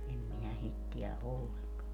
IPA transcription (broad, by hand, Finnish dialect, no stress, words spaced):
em minæ sit tiæ ʔolːeŋkɑn